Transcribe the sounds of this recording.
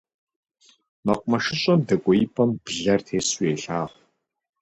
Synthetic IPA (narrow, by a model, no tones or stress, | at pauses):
mɐqʷʼmɐʃɪɕʼɐmdɐkʷʼɔjɪpʰʼɐmbɮɐrtʰeːsweːɬaːʁʷ